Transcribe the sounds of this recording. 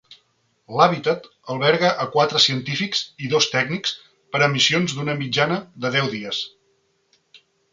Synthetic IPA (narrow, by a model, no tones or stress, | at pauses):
laβit̪ət̪ | əlˠβɛɾɣəʔəkwat̪ɾəsiənt̪ifikziðost̪ɛɡniks | pəɾəmisionzd̪unəmid͡ʒanəðəðɛwðiəs